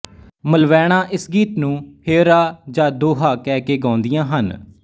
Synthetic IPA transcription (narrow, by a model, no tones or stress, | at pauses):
məlʋɛːɽ̃aːʔɪsɡiːt̪nũːheːɾaːd͡ʒãːd̪oːɦaːkɛːkeːɡãːnd̪ɪjãːɦən